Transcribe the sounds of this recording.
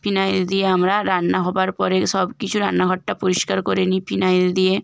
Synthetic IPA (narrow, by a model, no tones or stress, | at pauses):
pʰinajld̪ijeamɾaɾanːaɦɔbaɾpɔɾeʃɔbkit͡ɕʰuɾanːaɡʱɔʈːʈapoɾiʃkaɾkoɾenifʰinajld̪ije